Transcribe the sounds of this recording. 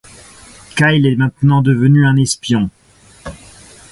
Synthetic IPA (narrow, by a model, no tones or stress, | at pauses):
kajlɛmɛ̃t̪nɑ̃d̪əvənyɛ̃nɛspjɔ̃